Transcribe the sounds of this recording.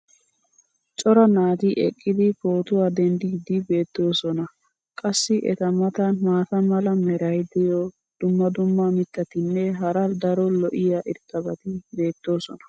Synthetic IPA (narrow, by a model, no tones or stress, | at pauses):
t͡ʃʼɔɾɐnaːd̪iʔɛkʼːɪd̪ɪfoːt̪ʊwaːd̪ɛnd̪ɪɡd̪ɪbe̞ːt̪ːo̞ːsɔnɐ | kʼɐsːɪʔɛ̰t̪ɐmɐt̪ɐnmaːt̪ɐmɐlɐmɛɾɐjd̪ɪjɔ | d̪̥ʊmːɐd̪ʊmːamɪt̪ːɐt̪ɪnːɛɦɐɾɐd̪ɐɾɔlɔʔɪjaʔɪɾt̪ʼːɐbɐt̪ɪbe̞ːt̪ːo̞ːsɔnɐ̥